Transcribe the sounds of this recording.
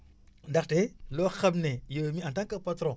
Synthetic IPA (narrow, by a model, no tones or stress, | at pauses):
ndakteloxabnejewemiantaŋkapatɾõ